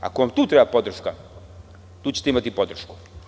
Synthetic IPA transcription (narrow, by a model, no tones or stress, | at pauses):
a̰koʋamt̪uːt̪ɾebapo̞d̪r̩ʃka | t̪uːt͡ɕet̪eimat̪ipod̪r̩ʃku̥